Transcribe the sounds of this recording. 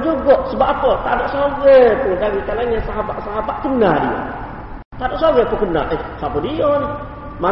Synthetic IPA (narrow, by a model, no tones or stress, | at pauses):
d͡ʒuɡɔʔsəbaʔapɔt̪adoʔsoɣepundaɾikalaɲasaɦabaʔsaɦabaʔkənadio̰ | t̪adoʔsoɣepukəna̰ʔekapodiona | ma